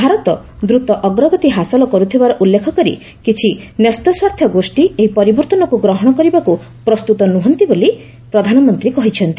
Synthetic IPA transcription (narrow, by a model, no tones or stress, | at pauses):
bʱaɾɔt̪ɔ | d̪ɾut̪ɔʔɔɡɾɔɡɔt̪iɦasɔlɔkɔɾut̪ʰibaɾɔʔulːekʰɔkɔɾḭ | kit͡ʃʰinest̪ɔswaɾt̪ʰjɔɡosʈieɦipɔɾibɔɾt̪ɔnɔkuɡɾɔɦɔɽ̃ɔkɔɾibaku | pɾɔst̪ut̪ɔnuɦɔnt̪iboli | pɾɔd̪ʱanɔmɔnt̪ɾikɔɦit͡ʃʰɔnt̪i